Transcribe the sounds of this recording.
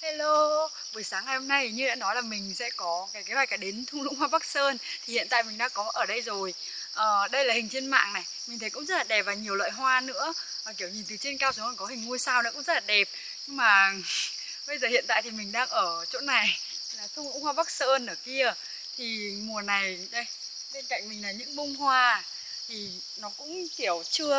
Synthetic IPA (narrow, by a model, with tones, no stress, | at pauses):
ha˧lo˧ | vəː˨˩əjsaː˨˦ŋa˨˩jho˧mna˧jɲɨ˧ɛ̰ː˧˥nɔ˨˦jlaː˨˩mï˨˩ŋ̟sɛ̰˧˥kɔ˨˦kaː˨˩kaː˨˦waː˨˩jkaː˧˩ɗe˨˦nt̪ʰu˧lṵ˧˥ŋhwaː˧ɓa˦˥k̚səː˧nt̪ʰi˨˩hḭ˧˨ənt̪a̰ː˧˨jmï˨˩ŋɗa̰ː˧˥kɔ˨˦ʔəː˧˩ɗə˧jzo˨˩j | ʔəː˨˩ɗə˧jlaː˨˩hï˨˩ŋ̟t͡ɕe˧nma̰ː˧˨ŋna˨˩jmi˨˩ŋ̟t̪ʰə˨˦jkʊ̰˧˥ŋ͡mzə˦˥t̚laː˨˩ɗɛ˨˩p̚vaː˨˩wɲi˨˩əwla̰ː˧˨jɦwaː˧nɨ̰˧˥ə | ʔəː˨˩ki˧˩əwɲi˨˩nt̪ɨ˨˩t͡ɕi˧ənkaː˧wsə˨˦kɔ˧˨˩ŋkɔ˨˦hï˨˩ŋ̟ːu˧əjsaː˧wnɔ˨˧˦kʊ̰˧˥ŋ͡mzə˦˥laː˨˩ɗɛ˨˩p̚ | ɲɨ˧ŋmaː˨˩ | ɓə˧jzəː˨˩hḭ˧˨ənt̪aː˧˨jt̪i˨˩mï˨˩ŋ̟ɗaː˧ŋʔəː˧˩t͡ɕo̰˧˥na˨˩j | laː˨˩t̪ʰu˧ṵ˧˥ŋ͡mhwaː˧ɓa˦˥k̚səː˧nʔəː˧˩ki˧ə | t̪ʰi˨˩mu˨˩əna˨˩jɗə˧j | ɓe˧nka̰˧˨jŋ̟mï˨˩ŋ̟laː˨˩ɲɨ̰˧˥ŋɓʊ˧ŋ͡mɦwaː˧ | t̪ʰi˨˩ | nɔ˨˦kʊ̰˧˥ŋ͡mki˧˩əwt͡ɕɨ˧ə